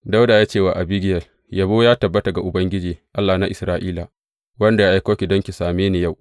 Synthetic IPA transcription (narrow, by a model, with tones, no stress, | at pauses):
da˦wda˨jaː˦t͡ʃeː˦˨wa˨ʔa˨biː˦ɡʲɪ˦jɐ˨l | ja˨boː˦jaː˦tɐ˨bːɐ˦ta˨ɡa˨ʔʊ˨bɐ˦ŋɡʲɪ˦d͡ʒiː˨ʔa˦lːa˨na˦ʔɪ˨sɾaː˦ʔiː˦la˨ | wɐ˦nda˨ja˦ʔa˨jkoː˦kʲi˨dɔ˦ŋkʲi˨saː˨meː˦ne˨ja˦˨w